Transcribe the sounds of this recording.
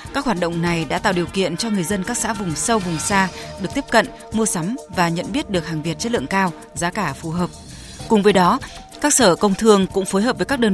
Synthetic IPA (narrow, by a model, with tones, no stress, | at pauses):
kaː˦˥k̚hwaː˨˩t̚ɗə̰˧˨wŋ͡mna˨˩jɗa̰ː˧˥t̪a̰ː˧˨wɗi˨˩əwkḭ˧˨ənt͡ɕɔ˧ŋɨ˨˩əjzə˧nkaː˦˥k̚sa̰ː˧˥vʊ˨˩ŋ͡msə˧wvʊ˨˩ŋ͡msaː˧ɗɨ˨˩ək̚t̪i˦˥p̚kə̰˧˨n | mu˧əsa˨˦mvaː˨˩ɲə̰˧˨nɓi˦˥ət̚ɗɨ˨˩ək̚haː˨˩ŋvi˨˩ət̚t͡ɕə˦˥t̚lɨ˧˨əŋkaː˧w | zaː˨˦kaː˧˩fu˨˩ɦəː˨˩p̚ | kʊ˨˩ŋ͡mvəː˨˦jɗɔ˨˦ | kaː˦˥k̚səː˧˩kə˧wŋ͡mt̪ʰɨ˧əŋkʊ̰˧˥ŋ͡mfoː˨˦jɦəː˨˩p̚və˨˦kaː˦˥k̚ɗəː˧n